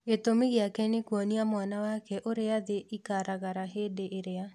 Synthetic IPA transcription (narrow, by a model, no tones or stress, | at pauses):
ɡet̪omeɣeakɛnekwɔniamwanawakɛʔoɾeaðeʔikaɾʔaɣaɾaɦedeʔeɾea